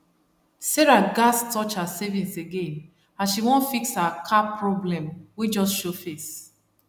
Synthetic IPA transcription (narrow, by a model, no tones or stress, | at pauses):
sɛɹaɡastʰɔt͡ʃhasɛvĩnseɡẽn | aʃiwɔ̃nfikshakʰapʰɹɔblɛ̃mwed͡ʒɔstʃofes